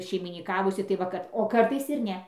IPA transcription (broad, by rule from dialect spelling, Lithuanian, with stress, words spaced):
ʃʲɛɪmʲiːnʲɪˈkɑːʋʊsʲɪ tɐɪ ˈʋɐ kɐt oː ˈkɐrtɐɪs ɪr ˈnʲɛ